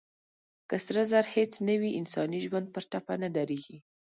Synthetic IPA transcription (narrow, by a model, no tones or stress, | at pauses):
kasɾazaɾhet͡snəwiʔɪnsɑniʒwand̪̚pəɾʈapanad̪aɾeɡi